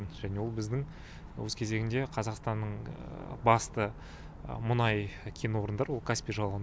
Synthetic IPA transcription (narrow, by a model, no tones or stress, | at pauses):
nʒ̥æne̞wo̞lˠbɪzd̪ɪŋ | wɵ̰zkʲʰe̞ze̞ɡʲɪnd̪e̞qʰɑzɑqst̪ɑnːəɴbɑst̪ə | mʊnɑjkʲʰenwo̞ɾənd̪ɑɾwo̞lˠkʰaspʲijʒɑlˠəʁən